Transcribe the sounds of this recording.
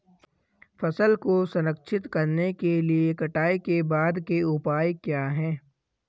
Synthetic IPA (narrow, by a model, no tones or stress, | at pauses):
fɐsəlkosɐnəkʃʰɪt̪kɐɾnekeliekɐʈaːikebaːd̪keʊpaːjkjaːɦɛ̃ː